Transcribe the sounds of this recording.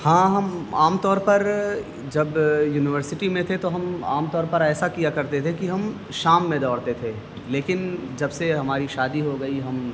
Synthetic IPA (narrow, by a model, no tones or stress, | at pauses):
hãːɦɐmaːmt̪ɔːɾpɐɾ | d͡ʒɐbjuːnɪʋəɾsɪʈimẽt̪ʰet̪oɦɐma̰ːmt̪ɔːɾpɐɾɛːsakijakɐɾt̪et̪ʰekiɦɐm | ʃaːmːẽd̪ɔːɽt̪et̪ʰeː | leːkɪnd͡ʒɐbseɦɐmaːɾiʃaːd̪iɦoɡɐiɦɐm